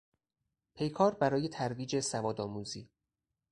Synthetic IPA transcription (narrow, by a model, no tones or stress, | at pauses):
pʰe̞jkʰɒːɾbæɾɒːje̞t̪ʰæɾviːd͡ʒe̞sævɒːd̪ɒːmuːziː